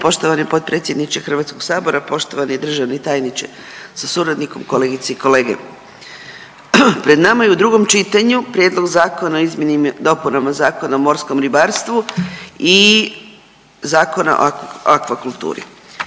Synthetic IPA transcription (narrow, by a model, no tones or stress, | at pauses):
po̞ʃt̪o̞ʋanipo̞t̪̚pɾe̞t̪sje̞d̪nit͡ʃexr̩ʋaːt̪skoɡ̥saːbo̞ɾapo̞ʃt̪o̞ʋanid̪r̩ʒaʋnit̪aːjnit͡ʃe | sasuɾad̪niko̞mkole̞ɡit̪seikole̞ːɡḛ | pɾe̞d̪namajeud̪ɾuɡo̞mt͡ʃit̪aɲupɾje̞d̪lˠo̞ɡzaːko̞naoizmʲje̞nimd̪o̞punamazaːko̞naomo̞ɾsko̞mɾibaɾst̪ʋui | zaːko̞na̰ʔo̰akʋakulˠt̪ṵːɾḭ